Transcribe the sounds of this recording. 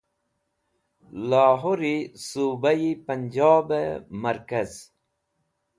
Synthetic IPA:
laːɦoɾisuːbaipənd͡ʑɑːbemɐɾkaz

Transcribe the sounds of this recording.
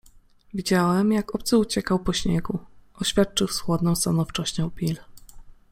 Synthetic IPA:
vʲid͡ʑawɛmjakɔp̚t̪sɘut͡ɕɛkawpɔɕɲɛ̰ɡuɔɕfʲjat̪̚t͡ʂɘwswɔd̪nɔ̃w̃st̪anɔft͡ʂɔɕt͡ɕɔ̃w̃pʲil

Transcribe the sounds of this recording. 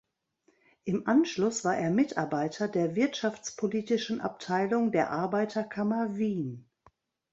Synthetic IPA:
ʔɪmʔanʃlʊsv̥aːɐʔeːɐmɪtʔaɐbaɪtʰɐdeːɐvɪɐtʃaft͡spʰoliːtɪʃn̩ʔa̰p̚tʰaɪlʊŋdeːɐʔaɐbaɪtʰɐkʰamɐviːn

